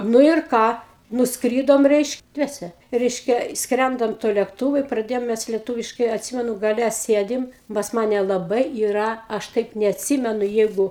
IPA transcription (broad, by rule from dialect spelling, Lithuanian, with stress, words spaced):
ˈnʊ ɪr ˈkɑː nʊsˈkrʲiːdoːmʲɛ ˈrʲɛɪʃk ˈdʲʋʲiɛsʲɛ ˈrʲɛɪʃʲkʲɛ ˈskrʲɛndɐm tuɔ lʲeːkˈtuːʋʊ ɪ prɐˈdʲeːjoːm mʲɛs lʲiɛˈtuːʋʲɪʃkɐɪ ɐtʲˈsʲɪmʲɛnʊ ɡɐˈlʲɛ ˈsʲeːdʲɪm pɐs ˈmɑːnʲɛ lˠɐˈbɐɪ iːˈrɐ ˈɐʃ ˈtɐɪp nʲɛɐtʲˈsʲiːmʲɛnʊ ˈjɛɪɡʊ